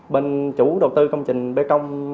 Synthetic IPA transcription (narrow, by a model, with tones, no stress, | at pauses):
ɓe˧nt͡ɕu˧˥˩ɗə˨˩wt̪ɨ˧kə˧wŋ͡mt͡ɕï˨˩ŋ̟ɓe˨˦t͡ɕə˧wŋ͡m